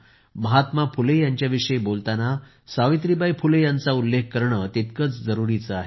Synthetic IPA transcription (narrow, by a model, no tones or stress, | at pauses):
məɦat̪mapʰulejaɲt͡ɕjaʋiʂəjebolt̪ana | saʋit̪ɾibʱajpʰulejant͡saulːekʰkəɾɳət̪it̪kət͡sd͡zəɾuɾit͡səaɦe